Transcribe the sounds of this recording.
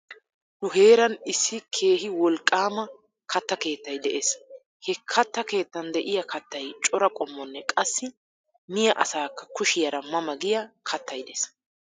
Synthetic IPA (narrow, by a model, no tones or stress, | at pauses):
nʊɦe̞ːɾɐnɪsːɪkʰe̞ːɦɪwɔlkʼːaːmɐ | kɐt̪ːɐke̞ːt̪ːɐjd̪ɛʔes | hɛkʰɐt̪ːɐke̞ːt̪ːɐnd̪ɛʔɪjɐkʰɐt̪ːɐjt͡ʃʼɔɾɐkʼɔmːɔnːɛkʼɐsːɪ | mɪjɐʔɐsaːkːɐ̥kʊʃɪjɐɾɐmɐmɐɡɪjɐkʰɐt̪ːɐjd̪ɛs